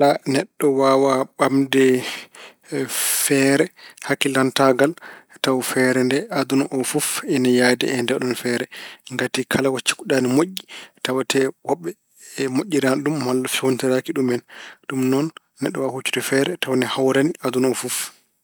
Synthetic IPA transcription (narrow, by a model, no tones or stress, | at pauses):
lanɛɗːɔwawaɓamdɛ | fɛɾɛhakːilantaɡal | tawfɛɾɛndɛad̪unaʔɔfufɛnajadɛ̰ɛndɛɗɔnfɛɾɛŋɡatikʰalawat͡ʃːi̥kuɗanimoʔːitawatɛwɔɓːɛ | moʔʲːiɾanɗumhalːafiontɛɾakiɗumɛnɗumnɔnː | ɛɗːɔwahut͡ʃːu̥tɛfɛɾɛtawnɛhawɾanad̪unɔfuf